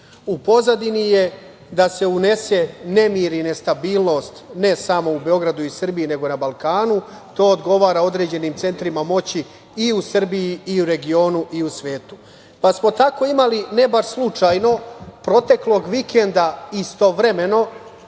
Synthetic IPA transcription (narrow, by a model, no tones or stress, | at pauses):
upo̞zad̪inije̞ | d̪ase̞une̞se̞nemiɾinest̪abiːlˠno̞st̪ne̞samo̞ube̞o̞ɡɾad̪uisr̩biine̞ɡo̞nabalˠkaːnu | t̪o̞ːod̪ɡo̞ʋaːɾao̞d̪ɾe̞d͡ʑe̞niːmt̪se̞nt̪ɾimamo̞t͡ɕi | iusr̩bijiiuɾe̞ɡio̞ːnuʔiusʋe̞ːt̪u̥ | pasmo̞t̪ako̞imaline̞baɾslˠut͡ʃajno̞pɾo̞t̪e̞klo̞ɡʋikʰe̞nd̪aist̪o̞ʋɾe̞me̞no̞